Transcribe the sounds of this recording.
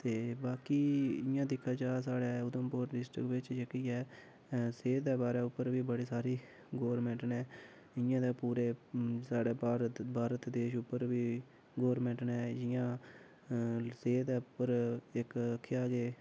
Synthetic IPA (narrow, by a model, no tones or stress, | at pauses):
t̪eːbaːkiːɪjãːd̪ɪkʰːaːt͡ʃaːs̬aːɽɛːʊd̪əmpoːɾɖɪsʈɾɪ̰kʋɪt͡ʃd͡ʒekiːɛː | seːd̪ɛːbaːɾɛːʊpːəɾʋiːbəɽiːsaːɾiː | ɡoːɾmɛ̃ːɳʈnɛː | ɪjãːd̪eːpuːɾeːsaːɽeːɾbʱaːɾət̪d̪eːʃʊpːəɾʋiː | ɡoːɾmɛ̃ːɳʈnɛːd͡ʒɪjãː | seːd̪ɛːʊpːəɾɪkəkʰːeaːɡeː